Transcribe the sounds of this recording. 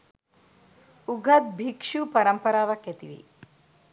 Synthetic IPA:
uɡʱɐt̪̚bʱikʂupɐɾɐmpɐɾaːʋɐkjɐt̪ḭʋḭ

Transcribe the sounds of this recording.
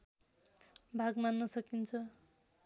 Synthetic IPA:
bʱaɡmanːʌsʌkint͡sʰʌ

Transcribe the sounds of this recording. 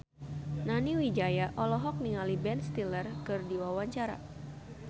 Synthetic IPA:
naniwid͡ʒajaʔɔlɔɦɔk̚niŋalibɛnst̪ilərkɨrdiwawaɲt͡ʃaɾa̰

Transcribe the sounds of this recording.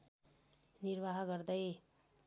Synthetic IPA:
niɾbaɦɡʌɾd̪ʌj

